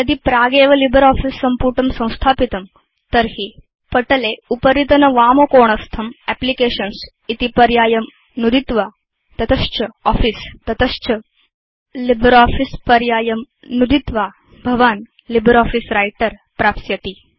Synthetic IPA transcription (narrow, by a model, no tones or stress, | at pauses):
ɐd̪ipɾaːɡeːʋɐlibɾɔːfisːɐmpuːʈɐmsɐ̃w̃st̪ʰaːpit̪ɐm | t̪ɐɾhi | pɐʈɐleupɐɾit̪ɐnɐʋaːmɐkoːɳ̃ɐst̪ʰɐmɛplikeːʃɐns | it̪ipɐɾjaːjɐm | nuɾit̪ʋaː | t̪ɐt̪ʰɐʃt͡ʃɐɔːfist̪ɐt̪ʰɐʃt͡ʃɐ | libʱɾɔːfispɐɾjaːjɐm | nud̪it̪ʋa | bʱɐʋaːn | libɾɔːfisɾajʈɐɾ | pɾaːpsjɐt̪i